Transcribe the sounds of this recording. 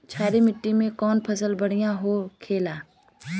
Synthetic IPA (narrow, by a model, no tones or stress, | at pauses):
t͡ʃʰaːɾimɪʈːimẽkɔːnpʰɐsəlbɐɽ̤ijãɦokʰeːlaː